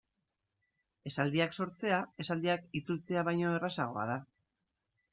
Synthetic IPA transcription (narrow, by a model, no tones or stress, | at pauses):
e̞sald̪iakso̞ɾt͡se̞ae̞sald̪iakit͡sult͡se̞aβ̞ajɲo̞e̞rasaɣ̞o̞a̰ð̞a